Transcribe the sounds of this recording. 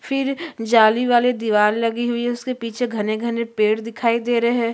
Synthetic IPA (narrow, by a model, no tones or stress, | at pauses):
fʰɪɾd͡ʒaːliʋaːled̪iʋaːɾlɐɡiɦʊiɛʊskepiːt͡ʃʰeɡʱɐneɡʱɐnepeːɽd̪ɪkʰaːid̪eːɾɐɦɛː